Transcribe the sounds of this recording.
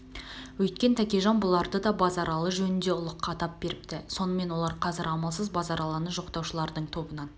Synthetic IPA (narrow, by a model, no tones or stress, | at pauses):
wɵjt̪kʲe̞nt̪ʰækʲe̞ʒɑnbʊlˠɑɾd̪əd̪ɑbɑzɑɾɑlˠəʒɵnɪnd̪e̞ʊlˠəqːɑt̪ɑp̚b̥e̞ɾɪp̚t̪ɪso̞nəme̞nwo̞lˠɑɾqʰɑzɪɾɑmɑlˠsəzbɑzɑɾʔɑlˠɑnəʒo̞qt̪ɑwʃəlˠɑɾd̪əɴt̪ʰo̞bənɑn